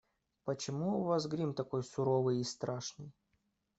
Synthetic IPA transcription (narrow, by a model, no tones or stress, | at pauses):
pət͡ɕɪmuːvasɡɾʲimt̪ɐko̞jsʊɾovɨjɪst̪ɾaʂnɨj